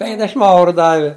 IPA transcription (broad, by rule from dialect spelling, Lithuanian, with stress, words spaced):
ˈpʲɛŋɡdʲɛʃʲɪm ˈɐʊrʊ ˈdɑːʋʲɪ